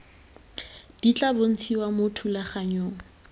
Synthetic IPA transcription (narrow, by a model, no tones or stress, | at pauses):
d̥it͡ɬʼabon̩t͡sʰiwamotʰulaχaɲoːŋ̩